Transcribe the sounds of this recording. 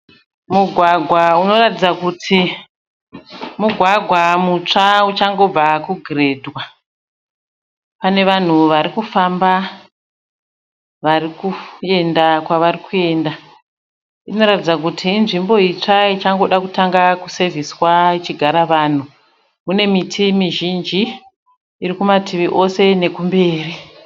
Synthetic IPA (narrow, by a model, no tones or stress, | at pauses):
muɡʱwaɡʱwauno̞ratid͡zakutʰi | muɡʱwaɡʱwamut͡ʂaut͡ʃaŋɡo̞b͡vakuɡʱire̞dwa | pane̞ʋan̤uʋaɾikufamba | ʋaɾikue̞ndakwaʋarikue̞ːnda | ino̞ɾatid͡zak̬utʰiːnʐimbo̞it͡ʂait͡ʃaŋɡo̞ɗakutaŋɡakuse̞vʱiswait͡ʃiɡʱaɾaʋaːn̤u | mune̞mitʰimiʒind͡ʒiː | rikumatʰiʋiʔo̞se̞ne̞kumbe̞ːri